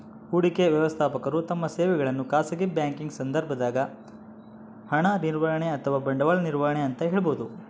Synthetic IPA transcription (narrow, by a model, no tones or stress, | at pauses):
uːɽikeʋjɐʋɐst̪ʰaːpɐkɐɾut̪ɐmːɐseːʋɛɡɐɭɐnːukaːsɐɡebjaːŋkiŋɡsɐnd̪ɐɾbʱɐd̪aːɡɐ | hɐɳɐniɾʋɐjɐɳeɐt̪ʰɐʋaːbɐɳɖɐʋaɭɐniɾʋaɦɐɳeɐnt̪ɐɦeːɭɐboːd̪u